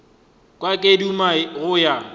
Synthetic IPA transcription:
kʼwakʼedumaɣʊja

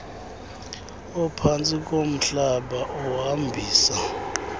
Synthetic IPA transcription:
ɔpʰant͡sʼik̬ʼom̩ɬaɓaʔɔɦambʱiːsa

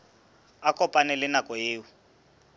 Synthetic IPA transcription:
akʼɔpʼanɛlɪnakʼɔɦeːwu

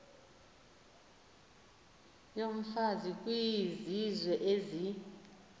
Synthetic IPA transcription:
jom̩fazik̬ʼwizizwɛʔezi

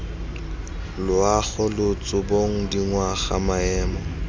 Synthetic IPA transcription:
lʊaɣɔlʊt͡sʼʊboŋ̩diŋwaɣamaɛːmɔ

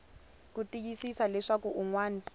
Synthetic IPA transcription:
k̬utʼik̬isisalɛʂak̬uʔuŋwaːni

